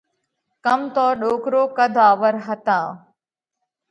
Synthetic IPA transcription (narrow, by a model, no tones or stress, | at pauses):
kəmt̪oːɗoːkɾoːkəd̪ʱaːʋəɾɦət̪ãː